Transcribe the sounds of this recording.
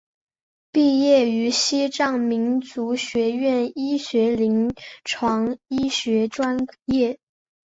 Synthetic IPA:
pi˥˧jɛ˥˩y˧˥ɕi˥ʈ͡ʂɑ˥˩ŋmi˧˥nt͡su˧˥ɕɥɛ˧˥ɥɛ˥˩ni˥ɕɥɛ˧˥li˧˥ŋʈ͡ʂʰwɑ˧˥ŋi˥ɕɥɛ˧˥ʈ͡ʂwa˥njɛ˥˩

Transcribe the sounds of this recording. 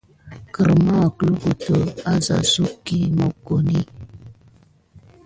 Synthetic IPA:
kə˨ɾma˦˨klu˦ku˨to˨a˦za̰˨su˦kːi˦mo˨ko˨ni˦

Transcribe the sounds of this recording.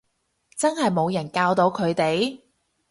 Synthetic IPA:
t͡sɐ˥nɦɐ˨jmo˨˧wjɐ˨˩nkaː˧wt̪o˧˥wkʰɵ˨˧ɥt̪e˨j

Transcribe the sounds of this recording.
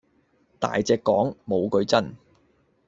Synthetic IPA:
t̪a̰ː˨jt͡sɛː˧kːɔː˨˥ŋmo˨˧wkɵ˧ɥt͡sɐ˥n

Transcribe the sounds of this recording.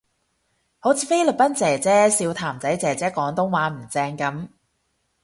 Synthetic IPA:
ho˨˥wt͡sʰiː˧fe˥jlɵ˨k̚pɐ˥nt͡sɛː˨˩t͡sɛː˨˥siː˧wt̪ʰaː˨˩mt͡sɐ˨˥jt͡sɛː˨˩t͡sɛː˨˥kɔː˨˥ŋt̪ʊ˥ŋwaː˨˥m̩˨˩t͡sɛː˧ŋkɐ˨˥m

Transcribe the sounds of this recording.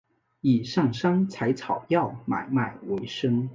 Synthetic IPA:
i˨˩ʂɑ˥˩ŋʂɑ˥ŋt͡sʰa˧˥ɪt͡sʰɑ˨˩ʊjɑ˥˩ʊma̰˨˩ɪma˨˩ɪwe˧˥ɪʂɤ˥ŋ

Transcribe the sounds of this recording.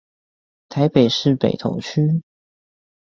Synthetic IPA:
t̪ʰa˧˦ɪpe˨˩ɪʂɻ̩˥˨pe˨˩ɪt̪ʰo̰˧˥ŋt͡ɕʰy˥

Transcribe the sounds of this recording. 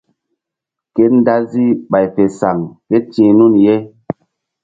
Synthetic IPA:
ke˦n˦da˦zi˦ɓa˨jfe˨sa˨ŋke˦t͡ʃĩ˦nu˦nje˦

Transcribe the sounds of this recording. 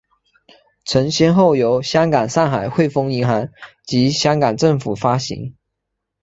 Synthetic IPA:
ʈ͡ʂʰə˧˥ŋɕjɛ˥nxo˥˩ʊjo˧˥ʊɕjɑ˥ŋkɑ˨˩ŋʂɑ˥˩ŋxa˨˩ɪxwe˥˩ɪfɤ˥ŋi˧˥ŋxa˧˥nt͡ɕi˧˥ɕjɑ˥ŋkɑ˨˩ŋʈ͡ʂɤ˥˩ŋfu˨˩fa˥ɕḭ˧˥ŋ

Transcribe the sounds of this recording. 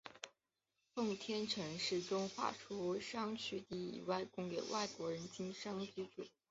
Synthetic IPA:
fʊ˥˧ŋt̪ʰjɛ˥nʈ͡ʂʰɤ˧˥ŋʂɻ̩˥˩ʈ͡ʂʊ˥ŋxwa̰˥˩ʈ͡ʂʰu˥ʂɑ˥ŋt͡ɕʰy˥˧t̪i˥˩ḭ˨˩wa˥˩ɪkʊ˥ŋke˧˩ɪwʔa˥˩ɪkwɔ˧˥ɻə˧˥nt͡ɕi˥ŋʂɑ˥ŋt͡ɕy˧˥ʈ͡ʂṵ˨˩˦

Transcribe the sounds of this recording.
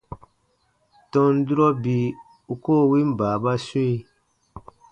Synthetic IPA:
tɔ̃˧n˦du˦ɾɔ˦bi˧ | u˧koː˦˨wi˦m̩˦baː˨ba˦sũ˦i˧

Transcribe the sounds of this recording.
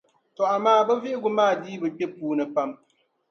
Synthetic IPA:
tɔ˨ʔa˨maː˦˨bɛ˦vi˦ʔɪ˦ɡu˦maː˦˨diː˦bɨ˨k͡pɛ˦puː˦nɨ˨pa˦m

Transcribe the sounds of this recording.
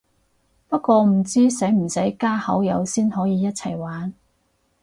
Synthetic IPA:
pɐ˥t̚kʷɔː˧m̩˨˩t͡siː˥sɐ˨˥jm̩˨˩sɐ˨˥jkaː˥hɐ˨˥wjɐ˨˧wsiː˥nɦɔː˨˥jiː˨˧jɐ˥t̚t͡sʰɐ˨˩jwaː˨˥n

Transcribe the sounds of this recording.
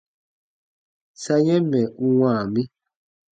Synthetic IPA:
sa˦ɲɛ˦mɛ˨u˨wãː˨mi˦

